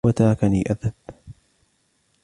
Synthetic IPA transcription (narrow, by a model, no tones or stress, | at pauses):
at̪aːkaniːʔaðan